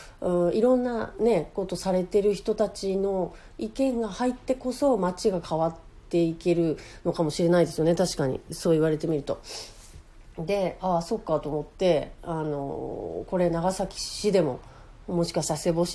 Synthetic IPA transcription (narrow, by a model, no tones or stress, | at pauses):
ɯiɾõ̞nːane̞ko̞t̪o̞saɾe̞t̪e̞ɾɯ̟çi̥t̪o̞t̪at͡ɕino̞ | ikẽ̞ŋɡahait̪ːe̞ko̞so̞mat͡ɕiɡakʰaβat̪ːe̞ike̞ɾɯ̟no̞kamo̞ɕiɾe̞naid̪esɨjo̞net̪aɕi̥kaɲ̟ḭso̞ːiβaɾe̞t̪e̞mʲiɾɯ̟t̪o̞ | d̪e̞aso̞ːkːat̪o̞ːmo̞t̪ːe̞ano̞̰ko̞ɾe̞naɡasakʲi̥ɕid̪e̞mo̞̰ | mo̞ɕi̥kaisase̞bo̞ɕ